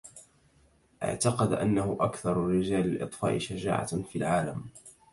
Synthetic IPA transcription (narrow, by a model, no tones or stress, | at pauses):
ʔa̰ʕt̪ɑqɑd̪ʔanːahʊʔakθɑɾˤrːɪd͡ʒaːlɪlʔɨ̰t̪ˤfa̰ːʔɪʃad͡ʒa̰ːʕa̰filʕaːlam